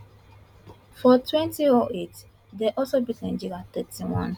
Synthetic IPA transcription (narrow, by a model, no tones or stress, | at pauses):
fɔtwɛ̃ntiɔʔet | dɛʔɔlsobitɛ̃nd͡ʒiɾat̪ɛtiwɔ̰̃n